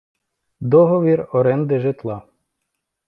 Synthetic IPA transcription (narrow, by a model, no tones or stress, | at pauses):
d̪ɔɦɔʋʲirɔɾɛnd̪ɪʒɪt̪lˠɑ